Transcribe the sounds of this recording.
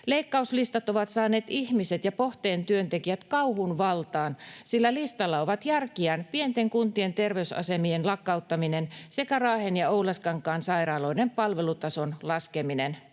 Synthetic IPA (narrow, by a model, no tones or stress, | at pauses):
leikːɑuslist̪ɑt̪oʋɑt̪sɑːneːt̪ihmiset̪jɑpoht̪eːnt̪yønt̪ekiæt̪kɑuhunʋɑlt̪ɑːnsilːælist̪ɑlːɑoʋɑt̪jærkiænpient̪eŋkunt̪ient̪erʋeysɑ̰semienlɑkːɑut̪ːɑminensekærɑːhenjɑoulɑskɑŋkːˑɑːnsɑirɑːloinempɑlʋelut̪ɑsonlɑskeminen